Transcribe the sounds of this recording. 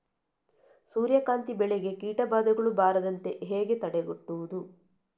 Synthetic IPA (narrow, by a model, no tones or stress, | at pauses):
suːɾjɐkaːnt̪ibɛɭeɡe̞kiːʈɐbaːd̪ɐɡɐɭubaːɾɐd̪ɐnt̪e̞ɦeːɡe̞t̪ɐɽeɡuʈːuʋud̪u